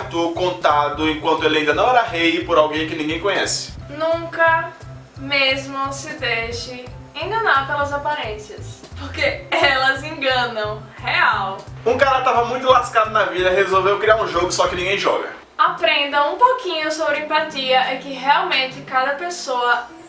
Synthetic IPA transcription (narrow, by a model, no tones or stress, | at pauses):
t̪okõnt̪ad̪ʊẽkwɐ̃nt̪ʊelɪaĩd̪ɐnɐ̃w̃ɛɾɐɦejpoɾawɡẽj̃kɪnĩɡẽj̃kõɲɛsɪ̥nũkɐ | mezmʊsɪd̪eʃɪẽŋɡɐ̃naɾpelɐzapaɾẽsɐs | poɾkeɛlɐzẽŋɡɐ̃nɐ̃w̃ | heawũkaɾɐt̪avɐmũj̃t̪ʊlaskad̪ʊnɐvid̪ɐɦezowvewkɾiaɾũʒoɡʊsɔkɪnĩɡẽj̃ʒɔ̰ɡɐ̰ | apɾẽnd̪ɐ̃w̃ũpokĩɲʊsobɾɪẽmpat̪iɐʔɛkɪɦeawmẽnt̪ɪkad̪ɐpesoɐ